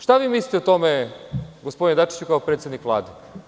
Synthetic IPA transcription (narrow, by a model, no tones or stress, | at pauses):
ʃt̪aʋiːmislʲit̪eut̪omeɡospo̞d̪ined̪at͡ʃi̥t͡ɕukaopɾet̪sjed̪nikʋlˠa̰ːd̪e